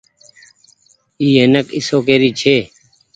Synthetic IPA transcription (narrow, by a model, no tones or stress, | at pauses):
iːeːnəkɪ̰soːkeːɾiːt͡ʃʰeː